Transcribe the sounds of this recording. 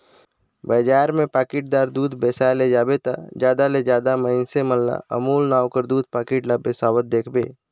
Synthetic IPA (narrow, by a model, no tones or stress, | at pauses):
bəːd͡ʒaːɾmẽpaːkɪʈ̚d̪aːɾd̪uːd̪ʱbeːsaːjled͡ʒaːbet̪a̰d͡ʒjaːd̪aled͡ʒjaːd̪aməɪnseməlːa̰ə̰muːlnaːwkəɾd̪uːd̪̚paːkɪːʈlabesaːwət̪̚d̪eːkʰbḛː